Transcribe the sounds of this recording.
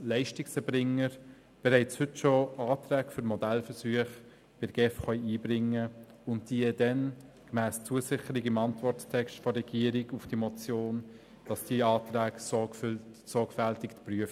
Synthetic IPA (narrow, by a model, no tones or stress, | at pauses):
læɪʃtɪksɛbɾɪŋəɾ | b̥ɛɾɛɪt͡shʏtʃoɑːtræːkfʏɾmɔdælfəsyːəχ | b̥ɪɡ̥ɛfχœʏiːbɾɪŋːə | ʊntd̥iəd̥ɛn | kmæːst͡suəsɪχəɾɪɡɪmɑntvɔrttʰɛksʃtfɔrɛɡ̥iəɾɪɡufd̥iəmɔt͡sjoːn | d̥ɑsd̥iəɑːtɾæːkɔ | sɔɡfæltɪktpryəf